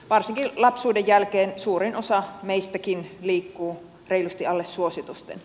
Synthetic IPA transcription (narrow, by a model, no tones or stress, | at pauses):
ʋɑrsiŋkilɑpsuːdejːælkeːnsuːɾinʔosɑmeist̪ækinliːkːuː | reilust̪iɑlːesːuosit̪ust̪ḛn